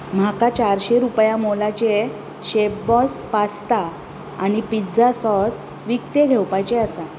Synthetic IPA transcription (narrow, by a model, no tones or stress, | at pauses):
m̤akat͡ɕaɾɕeɾupjamolat͡ɕe | ɕepbɔspast̪a | a̰nipid͡zasɔs | ʋikt̪eɡʱewpajt͡ɕeasa